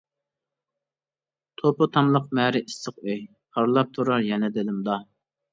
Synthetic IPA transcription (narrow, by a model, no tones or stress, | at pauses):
t̪ʰopʊt̪ʰɑmlˠəq̚mɛɾɪist̪əqøj | qʰɑɾlˠɑp̚t̪ʰuɾɑɾjɛnɛd̪ɪlɪmd̪ɑ